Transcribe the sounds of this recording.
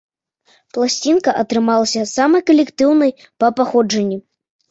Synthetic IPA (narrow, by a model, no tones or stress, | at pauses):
plˠasʲt͡sʲinkɐʔɐt̪ɾɨmalˠɐsʲɐsamɐjkɐlʲɛkt̪ɨwnɐj | pɐpaxɔd͡ʐɐnʲːi